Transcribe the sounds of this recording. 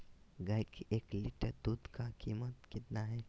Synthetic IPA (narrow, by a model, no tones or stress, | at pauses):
ɡakeːklɪʈəɾd̪uːd̪ʱkakiːmət̪kɪt̪naɦɛː